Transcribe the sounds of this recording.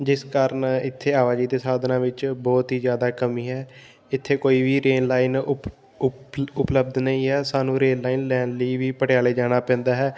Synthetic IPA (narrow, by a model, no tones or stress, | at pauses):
d͡ʒɪskaːɾənɪt̪ʰːeːaːʋaːd͡ʒiːd̪eːsaːd̪nãːʋɪt͡ʃbɔːt̪ɦiːzjaːd̪aːkəmiːɦɛː | ɪt̪ʰːeːkoːiːʋiːɾeːnlaːiːn | ʊpləbd̪nəĩːɦɛːsaːnũːɾeːnlaːiːnlɛːnliːʋiːpəʈɪjaːleːd͡ʒaːɽ̃aːpɛ̃ːnd̪aːɦɛː